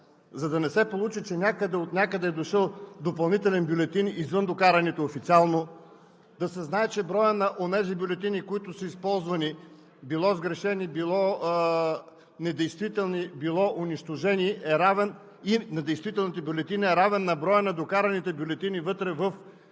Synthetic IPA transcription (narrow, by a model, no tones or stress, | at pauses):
zɐd̪ɐnɛsɛpolˠut͡ʃit͡ʃɛnʲakəd̪ɛot̪nʲakəd̪ɛːd̪oʃəlˠd̪opɐlˠnit̪ɛlɛnbʲjʊlɛt̪inizvɤnd̪okaɾɐnɛt̪oofit̪sialˠno | d̪ɐsɛznaɛt͡ʃɛbɾɔjənɐʔonɛzibʲjʊlɛt̪inikoit̪ʊsəispɔlˠzvɐni | bilˠɔzɡɾɛʃɛnibilˠɔ | nɛd̪ɛjst̪vit̪ɛlˠnibilˠɔʔʊniʃt̪oʒɛniʔɛɾavɛn | inɐd̪ɛjst̪vit̪ɛlˠnit̪əbʲjʊlɛt̪inɐɛɾavɛnːɐbɾɔjənɐd̪okaɾɐnit̪ɛbʲjʊlɛt̪inivɤt̪ɾɛvəf